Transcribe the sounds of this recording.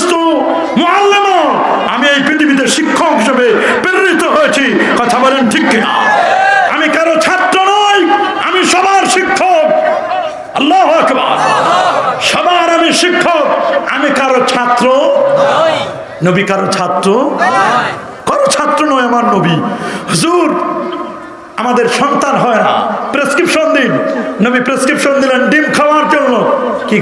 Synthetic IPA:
st̪o | moalːemo | a̰miejpɾit̪ʰibit̪̬eʃikʰːokd͡ʑobe | peɾɾit̪oɦojet͡ɕʰi | kɔt̪ʰabɔlenʈʰikːena̰ | a̰mikaɾot͡ʃʰat̪ɾonɔj | a̰miʃɔbaɾʃikʰːok̚ | ɐlːaɦoɐkba̰ɾ | ʃɔbaɾamiʃikʰːok̚a̰mikaɾot͡ɕʰat̪ɾo | nobikaɾot͡ɕʰat̪ːɾo | kɔɾot͡ɕʰat̪ːɾonɔeamaɾnobihuzuɾ | amad̪eɾʃɔnt̪anɦɔena̰pɾeskɾipʃond̪innobipɾeskɾipʃond̪ilenɖimkʰawaɾd͡ʒonːoki

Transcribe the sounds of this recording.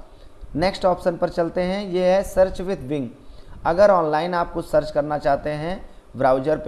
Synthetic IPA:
neksʈɔːpʃənpɐɾt͡ʃɐlt̪eɦɛ̃jeɦɛsɐɾt͡ʃʋɪd̪ʱbɪ̃ŋɡɐɡəɾɔːnlaːɪnaːp̚kosɐɾt͡ʃkɐɾnat͡ʃaːɦt̪eɦɛ̃ | bɾaːʊd͡ʒəɾp

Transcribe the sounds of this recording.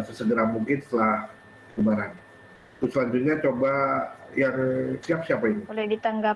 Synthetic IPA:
asəsəɡəɾamuŋkɪnst̪əlah | kəbaɾan | t̪usəlaɲd͡ʒut̪̚ɲat͡ʃobajaŋsiap̚siapainiolɛhdit̪aŋɡa

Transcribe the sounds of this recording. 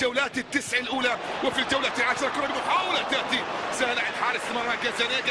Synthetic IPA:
awlaːt̪ɪt̪ːɪsʕalʔuːla | wɪfid͡ʒawlat̪ɪlʕaʃɾˤɑkʊnamʊħaːwɑlat̪aʔt̪isahlaʕɪd̪ħaːlɪst̪ɪmɑɾˤːaɡazaneːɡ

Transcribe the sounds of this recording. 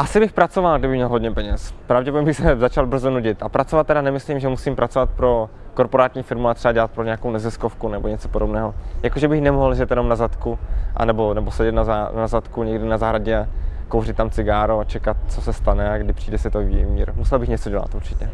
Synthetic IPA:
ʔasɪbɪxpɾat͡sovalɡdɪbɪxmɲɛlɦo̞dɲɛpɛɲɛspɾavɟɛpoɲɛbɪxsɛzat͡ʃalbr̩zonuɟɪt̪ʔapɾatt͡sovat̪ːɛdanɛmɪsliːmʒɛmusiːmpɾʔat͡so̞vat̪̚pɾo̞ | koɾpoɾaːt̪ɲiːfɪɾmuat̪r̥ɛbadɛlat̪pɾoɲeɛakownɛzɪskofkunɛboɲɛt͡so̥podobnɛːɦojakoʒɛbɪxnɛmoɦlʒɛt̪jɛno̞mnazat̪kuʔa̰nɛbo̞nɛbosɛɟɛt̪nazanazat̪kuɲɛɡdɪnazaːɦɾaɟɛakowrɪt̪ːamt͡sɪɡaːɾoat͡ʃɛkat̪̚t͡sosɛst̪anɛaɡdɪpr̥iːdɛsɪt̪oviːɛmiːɾmusɛlbɪxɲɛt͡soɟɛla̰t̪ʔuɾt͡ʃɪcɛ

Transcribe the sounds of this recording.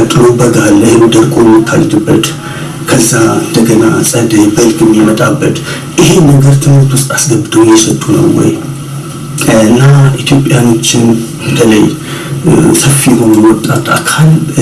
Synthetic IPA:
t̪ʼɨnobəɡalːəjd̪əɾkʼojmɨt̪ʰːa̰lt̪ʰɨbːət̪ | kʰəzːaɨ̰nd̪əɡəna̰sʼəd̪əbəlkʼɨmːjimət̪ʼabːət̪ | ʔɨhe̞nəɡəɾt̪ʰɨmɨɾt̪ʰust̪ʼasɡəbɨd̪əwjɛsət̪ʼːunə̰wːɔ̰j | ɨnːaʔit̪ʰjo̞pʼjano̞t͡ʃːɪn | b̥ət̪ʰələj | səfːijɛɦo̞nujwɔt̪ʼːat̪ʼa̰kʰal

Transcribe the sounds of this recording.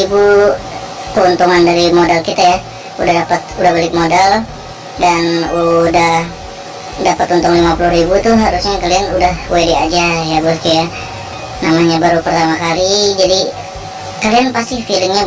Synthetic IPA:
ibu | kəunt̪uŋandaɾimodalkit̪aja | udahdapət̪̚udahbalɪk̚modal | danudah | dapat̪unt̪ʊŋlimapuluɦrɾibut̪uɦaɾusɲakalianudahwediad͡ʒajabaskaja | namaɲabaɾupərt̪amakalid͡ʒadi | kalianpast̪ihfilɪmɲa

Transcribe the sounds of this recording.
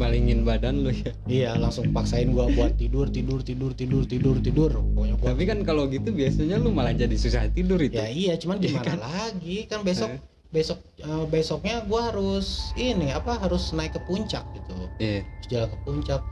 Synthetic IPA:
baliŋɪnbadanlʊja | ijalaŋsʊŋəpaksaɪnɡuabuat̪ːidʊrt̪idʊrt̪idʊrt̪idʊrt̪idʊrt̪idʊroɲakɡaapikankaloɡit̪ubiasaɲalʊmalahd͡ʒadisusaht̪idʊritjaijat͡ʃumanɡimankalaɡikanbesɔk̚ | besɔk̚ | əbesɔk̚ɲaɡuaɦaɾʊsinɪapaɦaɾʊsnaɪkːəpuɲt͡ʃa̰k̚ɡit̪uijasd͡ʒalakəpuɲt͡ʃak̚

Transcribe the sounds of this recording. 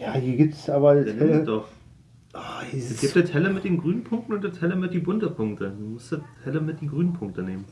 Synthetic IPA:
jaːhiːɐɡip̚tsaːbɐeɛdɔχ | ɛsɡ̥ɪːp̚td̥eːtʰɛləmɪtd̥eːnɡʁyːnən̩pʰʊŋktn̩ʊntd̥eːɐtʰɛləmət̚d̥iːbʊntɐpʰʊŋk̚tədumʊstətʰɛləmɪt̚d̥iːɡʁyːnən̩pʰʊŋk̚təneːmən

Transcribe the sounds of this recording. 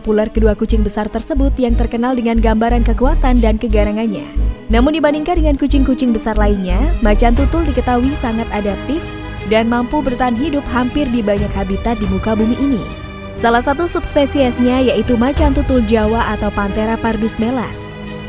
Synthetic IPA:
pularkəduakut͡ʃɪŋbəsart̪ərsəbʊt̪jaŋt̪ərkənaldəŋanɡambaɾankəkuat̪andankəɡaɾaŋanɲa̰namʊndibandiŋkandəŋankut͡ʃɪŋkut͡ʃɪŋbəsarlainɲamat͡ʃant̪ut̪ʊldikət̪awisaŋat̪adap̚t̪ɪf | danmampubərt̪aɦanɦidʊp̚ɦampɪrdibaɲakhabit̪at̪̚dimukabumiʔinḭ | salahsat̪usupspesiɛsɲajaʔit̪umat͡ʃant̪ut̪ʊld͡ʒawaʔat̪awpant̪eɾapardusmela̰s

